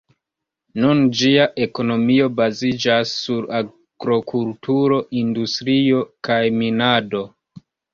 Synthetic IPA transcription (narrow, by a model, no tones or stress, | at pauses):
nund͡ʒiaʔe̞ko̞no̞mio̞bazid͡ʒasːuɾa | ɡ̥ɾo̞kultʰuɾo̞ʔindustɾio̞kajminado̞